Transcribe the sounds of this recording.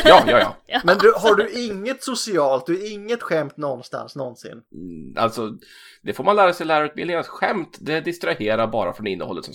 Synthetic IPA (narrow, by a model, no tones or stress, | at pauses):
jɑːjɑːjɑ̰ːmɛnd̪ɵɦaɖɵʔɪŋːət̪sʊsɪɑːlt̪̚d̪ɵɪŋːət̪ɧɛmt̪nɔnst̪a̰nsnɔnsɪ̰na̰lt̪sɔ | d̪̥ɛfoːɾmanlæːɾasɛjlæːɾaɾʉːt̪bɪlɪŋansɧɛmt̪d̪ɛd̪ɪst̪ɾaheːɾaɾbɑːɾafɾɔnɪnːə̰hɔ̰lːət̪sɔm